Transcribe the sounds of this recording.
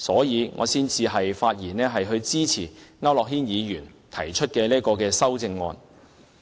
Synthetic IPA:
sɔː˨˥jiː˨˧ŋʔɔ̰ː˨˧siː˥nt͡siː˧ɦɐ˨jfaː˧t̚jiː˨˩nɛː˥ɦɐ˨jɦɵ˧ɥt͡siː˥t͡sʰḭː˨˩ŋa˥wlɔː˨k̚ɦiː˥njiː˨˧jyː˨˩nt̪ʰɐ˨˩jt͡ʃʰɵ˥t̚kɛː˧liː˥kɔː˧kɛː˧sɐ˥wt͡sɪ˧ŋːɔː˧n

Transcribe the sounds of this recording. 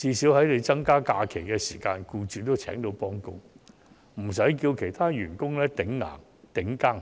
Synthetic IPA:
t͡siː˧siː˨˥whɐ˨˥jle˨˧t͡sɐ˥ŋkaː˥kaː˧kʰe˨˩jkɛ˧siː˨˩kaː˧nkuː˧t͡ʃyː˨˧t̪o˥wt͡sʰɛː˨˥ŋt̪o˨˥wpɔː˥ŋkʊ˥ŋ | m̩˨˩sɐ˨˥jk̬iː˧wkʰe˨˩jt̪ʰaː˥ɥyː˨˩nkʊ˥ŋlɛː˥t̪ɪ˨˥ŋŋa̰ː˨˩ŋ | t̪ɪ˨˥ŋkaː˥˩ŋ

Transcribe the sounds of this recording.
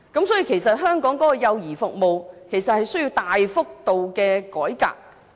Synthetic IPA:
kɐ˨˥msɔː˨˥i˧kʰe˨˩jsɐ˨t̚ɦœː˥ŋkɔː˨˥ŋkɔː˨˥kɔ˧jɐ˧wjiː˨˩fʊ˨k̚mo˨wkʰe˨˩jsɐ˨t̚hɐ˨jsɵ˥ɥji˧wt̪aː˨jfʊ˥k̚t̪o˨wkɛː˧kɔː˨˥jka̰ː˨k̚

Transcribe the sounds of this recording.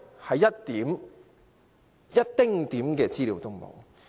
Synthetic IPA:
hɐ˨jɐ˥tt̪iː˨˥m | jɐ˥t̚t̪ɪ˥ŋt̪iː˨˥mkɛː˧t͡siː˥liː˨˧wt̪ʊ˥ŋmo̰˨˩w

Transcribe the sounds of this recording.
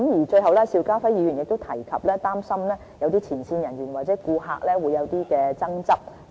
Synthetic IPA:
mjiː˨˩t͡ʃɵ˧ɦɐ˨wlɛː˥siː˧wkaː˥fɐ˨˥jiː˨˧jyː˨˩njɪ˨k̚t̪o˥wt̪ʰɐ˨˩jkʰɐ˨p̚lɛː˥t̪aː˥msɐ˥mlɛː˥ | jɐ˧wt̪iː˥t͡sʰiː˨˩nsiː˧njɐ˨˩njyː˨˩nwaː˨t̚t͡sɛː˨˥kuː˧ɦaː˧k̚lɛː˥wuː˨˧jɐ˨˧wt̪iː˥kɛː˧t͡sɐ˥ŋt͡sɐ˥p̚

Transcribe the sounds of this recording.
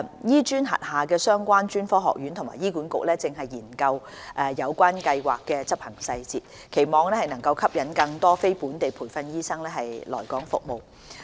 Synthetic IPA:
jiː˥t͡ʃyː˥nɦɐ̰˨t̚haː˨kɛː˧sœː˥ŋkʷaː˥nt͡ʃyː˥nfɔː˥ɦɔ̰˨k̚jyː˨˥nt̪ʰma̰ː˨˩jiː˥kuː˨˥nkʊ̰˨k̚lɛː˥t͡sɪ˨ŋɦɐ˨jːiː˨˩nkɐ˧w | ʔɛ˨˧jɐ˨˧wkʷaː˥nkɐ˧jwa̰ː˨kːɛː˧t͡sɐ˥p̚hɐ˨˩ŋsɐ˧jt͡siː˨t̚ | kʰe˨˩jmɔː˨ŋlɛː˥hɐ˨˩jnɐ˨˩ŋkɐ˧wkʰɐ˥p̚jɐ˨˥nkɐ˧ŋt̪ɔː˥fe˥jpuː˨˥nt̪e˨jpʰuː˨˩jfɐ˧njiː˥sɐ˥ŋlɛː˥ɦɐ˨jlɔː˨˩jkɔː˨˥ŋfʊ̰˨k̚mo˨˩w

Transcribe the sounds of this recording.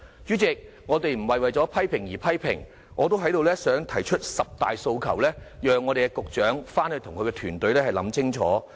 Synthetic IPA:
jyː˨˥t͡sɪ˨˧k̚ | ŋɔː˨˧t̪e˨jm̩˨˩wɐ˨jwɐ˨jt͡sɔː˨˥pʰɐ˥jpʰɪ˨˩ŋjiː˨˩pʰɐ˥jpʰɪ̰˨˩ŋ | ʔɔː˨˧t̪o˥wɦɐ˨˥jt̪o˧wlɛː˥sœː˨˥ŋt̪ʰɐ˨˩jt͡ʃʰɵ˥t̚sɐ˨p̚t̪aː˨jso˧wkʰɐ˨˩wlɛː˥jœː˨ŋɔː˨˧e˨jkɛ˧kʊ˨k̚t͡ʃœː˨˥ŋfaː˥nhɵ˧t̪ʰʊ˨˩ŋkʰɵ˧kɛ˧t̪ʰyː˨˩nt̪ɵ˨˧ɥlɛː˥hɐ˨jlɐ̰˨˥mt͡sɪ˥ŋt͡ʃʰɔ̰ː˨˥

